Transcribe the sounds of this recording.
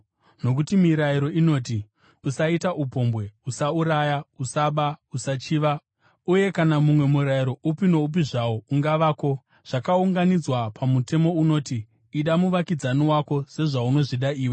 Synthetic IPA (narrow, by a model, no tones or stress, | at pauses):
no̞k̬utimiɾaiɾo̞ino̞ːt̬i | usaitaʔupo̞mbwe̞usauɾajausaɓausat͡ʃiːʋa | uje̞kanamumwe̞muɾaiɾo̞upino̞up̬iʐaouŋɡaʋaːko̞ | ʐ̥akauŋɡanid͡zwapʰamute̞mo̞uno̞ːtiː | ɗamuʋakid͡zaniwako̞se̞ʐauno̞ʐiɗaiːwe